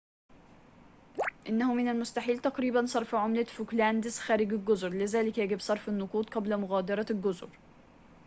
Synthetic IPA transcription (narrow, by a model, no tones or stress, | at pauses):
ʔɪnːahʊmɪnalmʊst̪aħiːlt̪ɑqɾiːbansˤɑɾˤfʕʊmlafʊklænd̪ɪsxaːɾɪɡɪlɡʊzɾlɪzaːlɪkjaɡɪbsˤɑɾˤfɪnːʊquːt̪ˤqɑblamʊɣaːd̪ɑɾˤɑlɡʊzɾ